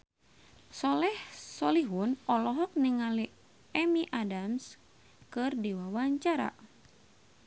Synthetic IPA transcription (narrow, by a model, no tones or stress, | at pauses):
sɔlɛhsɔliɦunɔlɔɦɔk̚niŋali | ɛmiʔadams | kɨrdiwawaɲt͡ʃaɾa̰